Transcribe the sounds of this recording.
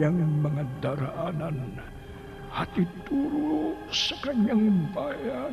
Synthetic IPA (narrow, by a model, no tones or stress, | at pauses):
aŋməŋəd̪aɾaʔːnan | hat̪it̪uluusəkaɲəŋimpaja